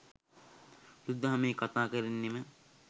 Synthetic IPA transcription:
ɾud̪ːaɦameːkat̪aːkəɾinːimə

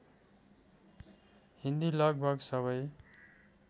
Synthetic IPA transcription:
hind̪ilʌɡ̚bʱʌɡsʌβʌj

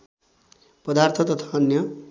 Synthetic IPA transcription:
pʌd̪art̪ʰʌt̪ʌt̪ʰaːnjʌ

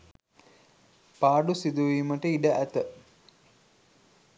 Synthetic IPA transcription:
paːɖusid̪uʋiːməʈəiɖəʔæt̪ə

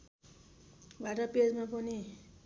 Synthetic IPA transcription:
bʱaʈʌped͡zmapʌni

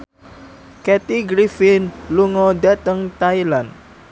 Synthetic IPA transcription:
kɛt̪iɡɾifinluŋɔdat̪əŋt̪ajlan

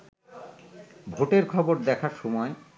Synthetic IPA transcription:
bʱoʈeɾkʰɔboɾd̪ɛkʰaɾʃɔmɔe

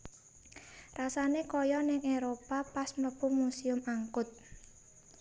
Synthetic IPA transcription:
rasanekojɔnɪŋeɾopapasməpumusiʊmaŋkʊt̪̚

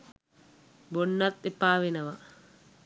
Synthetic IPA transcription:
bonːɐt̪ːepaːʋenəʋɐ

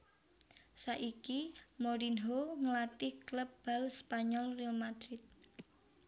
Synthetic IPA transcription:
saʔikimoɾinɦoŋəlat̪ɪhkləp̚b̥a̤lspaɲɔlrilmad̪̥ɾɪt̪̚

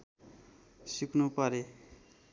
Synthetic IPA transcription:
sikʰnupʌɾe

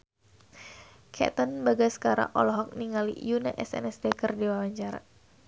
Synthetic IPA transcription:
kʰɛ̰t̪ənbaɡasə̥kaɾa̰ŋʔɔ̰lɔɦɔk̚niŋalḭjuna̰ʔɛsɛ̰nɛsdɛkərdiwawaɲt͡ʃaɾa̰

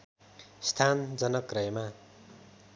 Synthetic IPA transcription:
st̪ʰand͡zʌnʌkrʌjʌma

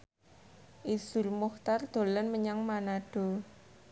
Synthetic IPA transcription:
ʔisulmuht̪ard̪̥o̤lənməɲaŋmanaɖ̥o̤

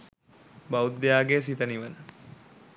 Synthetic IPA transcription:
bawud̪ːejaːɡeːs̬it̪əniʋənə

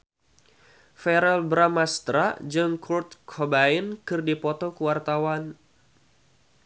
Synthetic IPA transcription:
fɛɾɛlbɾamast̪ɾad͡ʒɨŋkʰurt̪̚kʰɔbainkɨrdipɔt̪ɔkəwart̪awan

